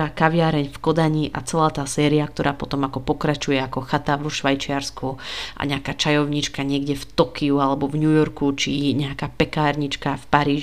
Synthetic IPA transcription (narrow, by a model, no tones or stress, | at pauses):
aːkaʋɪaɾɛɲfkɔd̪aɲiʔa̰t͡sɛlaːt̪aːsɛːɾiak̚t̪ɔɾʔaːpɔt̪ɔmakɔpɔkɾat͡ʃujɛakɔxat̪aʋɔʃʋajt͡ʃɪaɾskuʔa̰ɲɛakaːt͡ʃajɔʊɲit͡ʃkaɲɪɛɡɟɛft̪ɔkiualɛbɔvɲujɔɾkut͡ʃiɲɛakaːpɛkaːɾɲit͡ʃkafpaɾiːʒ